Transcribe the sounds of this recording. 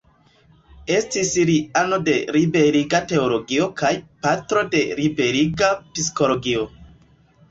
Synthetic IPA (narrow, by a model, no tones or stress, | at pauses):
e̞stisiɾiano̞de̞ɾibe̞ɾiɡate̞olo̞ɡio̞kʰajpatɾo̞de̞ɾibe̞ɾiɡapis̬ko̞lo̞ɡio̞